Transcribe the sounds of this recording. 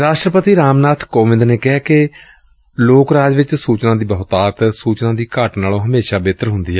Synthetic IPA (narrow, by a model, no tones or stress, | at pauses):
ɾaːʃʈɾəpət̪iːɾaːmnaːt̪ʰkoːʋɪ̃nd̪neːkɪɦaːkɪ | loːkɾaːd͡ʒʋɪt͡ʃsuːt͡ʃnãːd̪iːbəɦʊt̪aːt̪suːt͡ʃnãːd̪iːkaːʈnaːlõːɦəmeːʃaːbeːt̪əɾɦʊ̃nd̪iːɛː